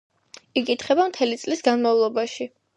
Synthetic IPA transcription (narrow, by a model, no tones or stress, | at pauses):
ikʼit̪ʰχɛbamt̪ʰɛlit̪sʼlisɡanmavlˠɔbaʃi